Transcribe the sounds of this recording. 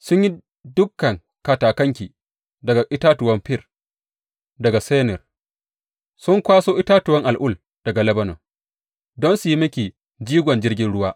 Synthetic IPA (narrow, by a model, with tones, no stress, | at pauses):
sʊ˦ɲji˦ | dʊ˦kːɐ˨ŋ | ka˨taː˨kɐ˦ŋkʲiː˨ | dɐ˨ɡa˨ʔɪ˦taː˦tʊ˨wɐ˦mɸɪ˦r | dɐ˨ɡa˨seː˦nɪ˨r | sʊ˦ŋkʷaː˦soː˦ʔɪ˦taː˦tʊ˨wɐ˦ŋʔa˨lʔʊ˦l | d̥ɐ˨ɡa˨lɐ˦bɐ˦no̰ː˨ | dɔ˦nsʊ˨ji˦mɐ˦kʲiː˨ | d͡ʒiː˦ɡʷɔ˨nd͡ʒɪ˦rɡʲɪ˦nɽʊ˦waː˦